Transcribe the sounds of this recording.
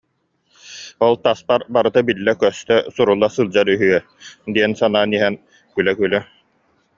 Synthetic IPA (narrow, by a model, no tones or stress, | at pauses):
ɔlˠt̪aspaɾbaɾɯt̪abilːɛkœst̪œsuɾulˠːasɯlˠd͡ʑaɾyɦyœ | d̪iɛnsanaːniɦɛn | kylɛkylœ